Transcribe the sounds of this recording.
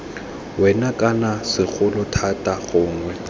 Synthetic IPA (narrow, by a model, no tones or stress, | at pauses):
wɛnakʼanasɪk͡xʰʊlʊtʰatʼaɣʊːŋwɛ